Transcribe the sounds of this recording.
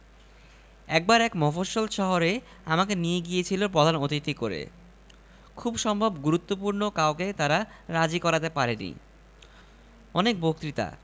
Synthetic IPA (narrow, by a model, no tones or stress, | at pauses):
ɛk̚baɾɛkmɔfoʃolʃɔɦoɾe | amakenijeɡiet͡ɕʰilopɾod̪ʱanot̪it̪ikoɾḛ | kʰubʃɔmbʱobɡuɾut̪ːopuɾnokaoket̪aɾaɾad͡ʑikɔɾat̪epaɾenḭ | ɔnek̚bok̚t̪ɾit̪a̰